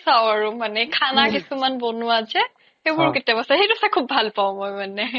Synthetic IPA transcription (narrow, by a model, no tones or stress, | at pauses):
saʊaɹumanɛkʰanakisumanbɔnuazɛ | xebʊɹketijabasaxejtɔsakʰubːʱalpaʊ̃mojmanɛ